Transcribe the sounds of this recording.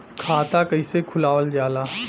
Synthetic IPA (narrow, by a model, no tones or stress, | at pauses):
kʰaːt̪akɐisekʰʊlaːʋəld͡ʒaːlaː